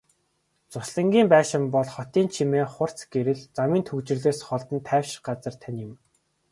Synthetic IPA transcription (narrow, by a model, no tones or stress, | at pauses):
t͡sʊsɮə̆ŋɡʲiːmpæːʃɪ̆mpɔɮχɔt̪iːnt͡ɕʰimeːχʊr̥t͡sɡeɾɘ̆ɮt͡samiːnt̪ʰɵkt͡ɕɪ̆rɮeːsχɔɮt̪ə̆nt̪ʰæːwʃɪ̥̆ɢat͡sə̆rt̪ʰanʲɪ̆m